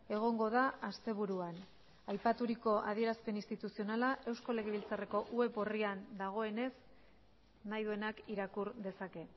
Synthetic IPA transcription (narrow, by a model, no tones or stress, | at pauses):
e̞ɣ̞o̞ŋɡo̞ðaast̪e̞β̞uɾuan | ajpat̪uɾiko̞ʔa̰ð̞ie̞ɾaspe̞nist̪it̪usio̞nalaʔe̞wsko̞le̞ɣe̞βilt͡sare̞ko̞ʔue̞poriand̪aɣ̞o̞e̞ne̞s | najðue̞nakiɾakuɾðe̞sake̞